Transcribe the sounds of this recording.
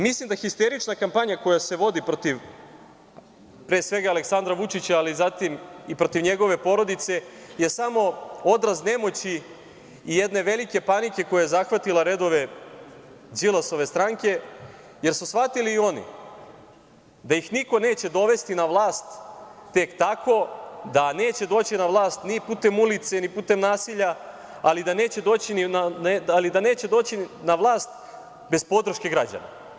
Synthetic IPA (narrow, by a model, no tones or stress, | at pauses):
mislˠimd̪axist̪e̞ɾit͡ʃnakampaɲako̞jase̞ʋo̞d̪ipɾot̪iʋ | pɾesʋe̞ɡaːleksand̪ɾaʋut͡ʃit͡ɕaalizat̪imipɾo̞t̪iʋɲe̞ɡo̞ʋe̞po̞ɾo̞d̪it̪se̞je̞samo̞o̞d̪ɾazne̞mo̞t͡ɕiː | je̞d̪ne̞ʋe̞like̞panike̞ko̞jajezaxʋat̪ilˠaɾe̞d̪o̞ʋe̞ | zilaso̞ʋe̞st̪ɾaŋke̞ | je̞ɾsusʋat̪iliːo̞nḭ | d̪ajixniko̞ne̞ːt͡ɕe̞d̪o̞ʋe̞st̪inaʋlˠaːst̪ːe̞kt̪akʰo̞d̪ane̞ːt͡ɕe̞d̪o̞ːt͡ɕinaʋlˠaːst̪nipuːt̪e̞mulit̪se̞nipuːt̪e̞mnaːsiʎa | alid̪ane̞ːt͡ɕed̪o̞ːt͡ɕininaalid̪ane̞ːt͡ɕe̞d̪o̞ːt͡ɕinaʋlˠaːst̪ | be̞spo̞d̪ɾ̩ʃke̞ɡɾad͡ʑa̰na̰